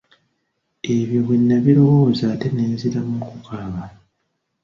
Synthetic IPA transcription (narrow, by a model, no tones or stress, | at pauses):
e̞βjoβwinːaβiɾo̞woːzaːte̞neːziɾamukukʰaːβa